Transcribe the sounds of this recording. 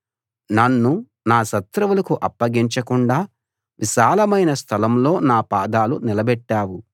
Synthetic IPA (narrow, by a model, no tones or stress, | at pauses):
nɐnːu | naːʃɐt̪ɾɐʋulɐkuʔɐpːɐɡiɲt͡ʃɐkuɳɖaː | ʋʔiʃaːlɐmɐjnɐst̪ʰɐlɐmlo̞ːnaːpaːd̪aːlunilɐbɛʈːaːwu